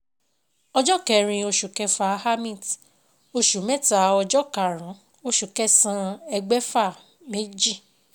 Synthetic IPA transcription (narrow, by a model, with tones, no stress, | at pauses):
ɔ˧d͡ʒɔ˦kɛ˨ɾ̃ĩ˧o˧ʃu˨kɛ˧fa˧ha˦mĩ˦˨t | o˧ʃu˨mɛ˦ta˧˨ɔ˧d͡ʒɔ˦ka˨ɾ̃ã˨˦ | o˧ʃu˨kɛ˦sã˧ɛ˧ɡ͡bɛ˦fa˦˨ | me˦d͡ʒi˦˨